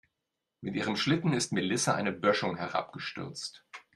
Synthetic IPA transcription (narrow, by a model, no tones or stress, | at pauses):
mɪtʔiːʁ̞əmʃlɪtn̩ɪstmɪlɪsaʔa̰ɪnəbœʃʊŋhɛʁa̰p̚ɡ̥əʃtʏ̰ʁt͡st